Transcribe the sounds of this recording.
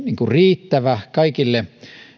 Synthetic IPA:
niːŋkuriːt̪ːæʋækɑikilːe

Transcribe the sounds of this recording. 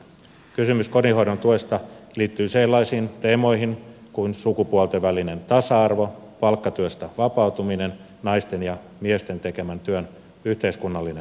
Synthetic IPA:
kysymysko̞niɦo̞iɾont̪uest̪ɑliːt̪ːyːselːɑisiːnt̪eːmo̞jɦiŋkuinsukupuolt̪eʋæline̞nt̪ɑsɑɑrʋo̞ | pɑlkːɑt̪yøst̪æʋɑpɑut̪uminen | nɑist̪enjɑ | miest̪e̞nt̪eke̞mænt̪yøn | yht̪e̞iskunːɑlːine

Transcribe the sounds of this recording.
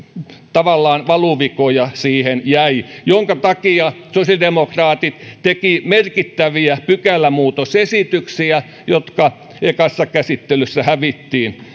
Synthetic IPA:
t̪ɑʋɑlːɑːnʋɑluʋikojɑsiːhenjæijoŋkɑt̪ɑkiɑ | sosjɑlidemokrɑːt̪it̪t̪ekimerkit̪ːæʋiæpykælːæmuːt̪osesit̪yksiæ | jot̪kɑ | ekɑsːɑkæsit̪ːelysːæhæʋit̪ːiːn

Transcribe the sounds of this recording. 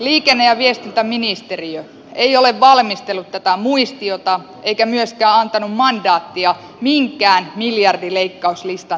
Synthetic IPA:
liːkenːejɑʋiest̪int̪æminist̪eriø | eioleʋʋɑlmist̪elːut̪t̪æt̪æmuist̪iot̪ɑ | ʔeikæmyøskæːɑnt̪ɑnummɑndɑːt̪ːiɑ | miŋkˑæːnmiljɑrdileikːɑuslist̪ɑ

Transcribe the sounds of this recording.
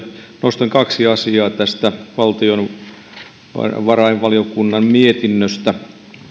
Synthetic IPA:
nost̪ɑŋkɑksiɑsiɑːt̪æst̪æʋɑlt̪ion | ʋɑrɑiʋʋɑliokunːɑmmiet̪inːøst̪æ

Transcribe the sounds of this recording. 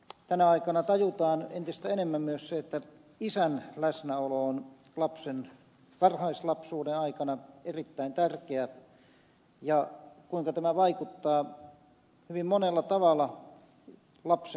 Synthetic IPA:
t̪ænæɑikɑnɑt̪ɑjut̪ɑːnent̪ist̪æenemːæmmyøsseet̪ːæ | isænlæsnæoloon | lɑpsen | kɑrhɑislɑpsuːdenɑikɑnɑerit̪ːæint̪ærkeæ | jɑkuiŋkɑt̪æmæʋɑikut̪ːɑː | hyʋimmonelːɑt̪ɑʋɑlˑɑ | lɑps

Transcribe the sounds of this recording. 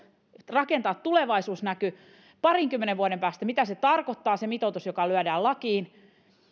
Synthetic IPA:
rɑkent̪ɑːt̪tuleʋɑisuːsnæky | pɑriŋkymːeneʋʋuodempæːst̪æmit̪æset̪ɑrkot̪ːɑːsemit̪ot̪usjokɑlyædæːlɑkiːn

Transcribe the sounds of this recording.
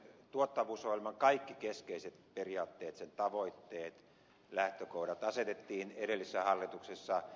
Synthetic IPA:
t̪uot̪ːɑʋuːsohilʲmɑŋkɑikːikeskeiset̪periɑːt̪ːeːt̪sent̪ɑʋoit̪ːeːt̪ | læht̪økouɾɑt̪ɑset̪et̪ːiːneɾelːisːæhɑlːit̪uksesːɑ

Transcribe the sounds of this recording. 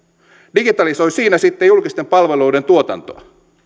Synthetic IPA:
diɡit̪ɑliso̞jsiːnæsit̪ːejulkist̪empɑlʋeluːde̞nt̪uot̪ɑ̰nt̪o̰ɑ̰

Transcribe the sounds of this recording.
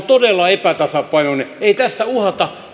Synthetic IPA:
t̪odelːɑepæt̪ɑsɑpɑinoneeit̪æsːæuhɑt̪ɑ

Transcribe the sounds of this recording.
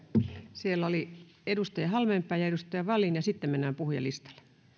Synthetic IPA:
sielːoli | edust̪ɑjɑhɑlmempːˑæːjɑedust̪ɑjɑʋɑlˑinjɑsit̪ːemmenːæːmpuhjɑ̰list̪ɑ̥l̥ːˑe̥

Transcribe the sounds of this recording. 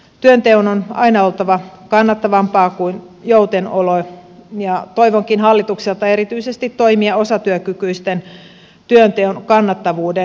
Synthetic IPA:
t̪yønt̪eunonɑ̰inɑo̞lt̪ɑʋɑkɑnːɑt̪ːɑʋɑmpɑːkuin | jowt̪enolojɑt̪o̞iʋoŋkinɦɑlːit̪ukselt̪ɑe̞ɾit̪yisest̪it̪to̞imiɑo̞sɑt̪yøkykyist̪en | t̪yønt̪eunkɑnːɑt̪ːɑʋuːde

